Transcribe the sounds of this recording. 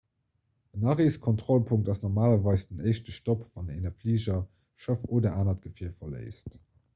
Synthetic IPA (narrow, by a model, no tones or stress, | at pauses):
ənɑʁeːskʰɔntʁolpʰuŋk̚tɑsnɔʁmaːlɐvɑɪsd̥ənəɪʃtəʃtopvɑnḛɪnɐfliːʑɐ | ʃəfoːdɐʔaːnɐt̚ɡ̥əfiːəɐfɐlə̰ɪst